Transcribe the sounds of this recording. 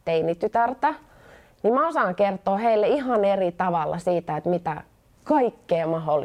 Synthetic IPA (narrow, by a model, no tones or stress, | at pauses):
t̪einit̪yt̪ært̪æ | nimmæosɑːŋkert̪oːheilːeihɑnerit̪ɑʋɑlːʔɑ̰siːt̪æet̪mit̪æ | kɑikːeːmɑholːˑi